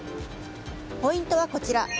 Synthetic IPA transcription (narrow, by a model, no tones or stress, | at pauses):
po̞ĩnt̪o̞β̞ako̞t͡ɕiɾa